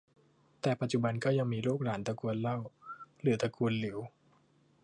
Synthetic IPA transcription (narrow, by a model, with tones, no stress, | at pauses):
t̪ɛː˨˩pa˨˩t̪̚t͡ɕu˨˩ba˧nkɔː˥˩ja˧ŋmiː˧loː˥˩k̚laː˩˦nt̪a˧ku˧ənla˥˩wlɯː˩˦t̪a˧kʰu˧ənli˩˦w